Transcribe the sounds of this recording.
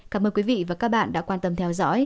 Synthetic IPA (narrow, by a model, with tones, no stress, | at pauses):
kaː˧˩mʔəː˧nkwi˨˦vḭ˧˨vaː˨˩kaː˦˥k̚ɓa̰ː˧˨nɗa̰ː˧˥kwaː˧nt̪ə˧mt̪ʰɛ˧wzɔ̰˧˥j